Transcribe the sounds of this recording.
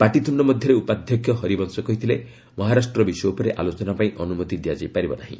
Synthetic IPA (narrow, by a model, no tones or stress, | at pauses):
paʈit̪ʰuɳɖɔmɔd̪ʱjɔɾeupad̪ʱjɔkʰːjɔɦɔɾibɔnsɔkɔɦit̪ʰile | mɔɦaɾasʈɾɔbisɔupɔɾeʔa̰lot͡ʃɔnapaĩʔɔnumɔt̪id̪ijad͡ʒajpaɾibɔnaɦḭ̃